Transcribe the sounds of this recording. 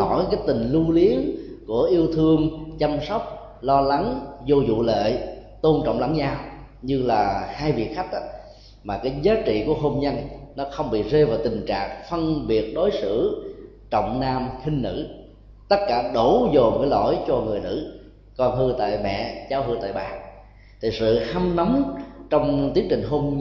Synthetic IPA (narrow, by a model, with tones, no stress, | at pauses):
ɔ˧˩˦jkaː˨˦jt̪ï˨˩ŋ̟lu˧li˨˦əŋku˧˩əʔi˧əwt̪ʰɨ˧əŋt͡ɕa˧msɔ˦˥wk͡p̚ | lɔ˧la˨˦ŋzo˧zṵ˧˨lḛ˧˨t̪o˧nt͡ɕɔ̰˧˨wŋ͡mla̰˧˩˦ŋzaː˧w | ɲɨ˧laː˨˩haː˧jvi˨˩ək̚xa˦˥k̚ʔaː˧˦ | maː˨˩kaː˨˦jzaː˨˦t͡ɕḭ˧˨kṵ˧˩əɦo˧mɲə˧nnɔ˨˦xə˧wŋ͡mɓḭ˧˨ze˧vaː˨˩t̪ï˨˩ŋ̟t͡ɕa̰ː˧˨ŋfə˧nɓi˨˩ət̚ɗo˨˦jsɨ̰˧˩ | t͡ɕɔ̰˧˨wŋ͡mnaː˧mxï˧ŋ̟nɨ̰˧˥ | t̪ə˦˥t̚kaː˧˩ɗo˧˩˦zo˨˩mə˧˦jlo̰˧˩jt͡ɕɔ˧ŋɨ˨˩əjnɨ̰˧˥ | kɔ˧nhɨ˧t̪a̰ː˧˨jmɛ̰˧˨zaː˨˦whɨ˧t̪a̰ː˧˨jɓaː˨˩ | t̪ʰi˨˩sɨ̰˧˨ha˧mnɔ˨˦mt͡ɕɔ˧wŋ͡mt̪i˨˦˥əŋt͡ɕï˨˩ŋ̟ɦo˧m